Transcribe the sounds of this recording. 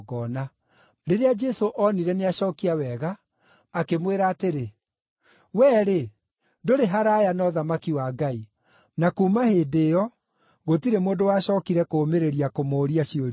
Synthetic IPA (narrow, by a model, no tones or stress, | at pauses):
ɣɔna | ɾeɾead͡ʒɛsoʔɔniɾɛneaɕɔːkiawɛɣaː | kemweɾaːteɾe | wɛːɾe | doɾeɦaɾaːjanɔðamakiwaːɡai | nakuːmahedejɔ | ɣotiɾemoːdowaɕɔːkiɾɛkoːmeɾeɾiakomoːɾiaɕioɾ